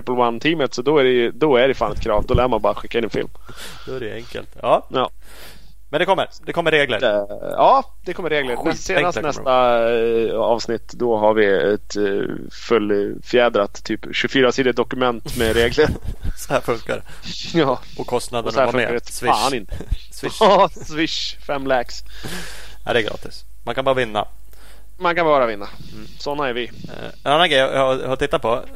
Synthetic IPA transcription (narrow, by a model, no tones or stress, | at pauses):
ɛpːəlwant̪ʰiːmət̪sɔd̪ɔæɾɛjd̪ɔæɖɛjfaːnɛt̪kʰɾɑːvd̪ɔlæːəmanbɑːɾaɧɪkːaɪnɛnfɪ̰lm | d̪ɔæɾɛɛŋkə̰lt̪ɑːjɑː | mɛnd̪ɛkʰɔmːə̰ɾd̪ɛkʰɔmːəɾeːɡlə̰ɾɑː | d̪̥ɛkʰɔmːəɾeːɡləɾmɛnseːd̪anstnɛstt̪a | ɑ̰ːvsnɪt̪ːd̪ɔɦaɾvɪɛ̰t̪ | fɵlːfœjɛːd̪ɾat̪ʰːyːpɕɵfyːɾasiːd̪əd̪ɔkɵmɛnt̪mɛɾeːɡləɾsɔhæːɾfɵŋka̰ɾ | jɑː | ɔkʰɔst̪nad̪ənɔæameːsvɪaɪnsvɪ | svɪʂfɛmːlɛks | næɪd̪ɛːɡɾɑ̰ːt̪ɪs | ma̰nkʰanbɑːɾavɪnːa̰ | mankʰanbɑːɾavɪnːa | sɔnːaæɾvɪ̰ | ɛnanːaɡɾɛjj̰hat̪ɪt̪ːat̪̚pʰɔ